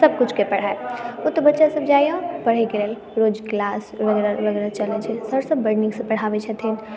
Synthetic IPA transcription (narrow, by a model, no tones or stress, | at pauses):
sɐb̚kʊt͡ʃʰkepɐɽ̤aeut̪ːbɐtːʃasəbd͡ʒajãpɐɽ̤ekeleːl | ɾoːd͡ʒklaːsʋɐɡɛɾaʋɐɡɛːɾat͡ʃɐlet͡ʃʰesəɽsəbːəɽnĩŋkspɐɽ̤aːʋet͡ʃʰət̪ʰin